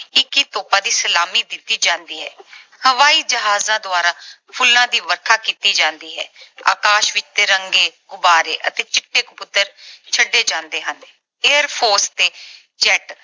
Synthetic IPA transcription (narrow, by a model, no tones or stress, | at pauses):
ɪkiːt̪oːpãːd̪iːsəlaːmiːd̪ɪt̪ːiːd͡ʒãːnd̪iːɦɛ̰ːhəʋaːiːd͡ʒəɦaːzãːd̪ʊaːɾaːpʰʊlːãːd̪iːʋəɾkʰaːkiːt̪iːd͡ʒãːnd̪iːɦɛ̰ːa̰ːkaːʃʋɪt͡ʃt̪eːɾəŋɡeːɡʊbaːɾeːʔət̪eːt͡ʃɪʈːeːkʊpʊt̪əɾt͡ʃʰəɖːeːd͡ʒãːnd̪eːɦəne | eːəɾpʰoːɾst̪eː | d͡ʒɛːʈ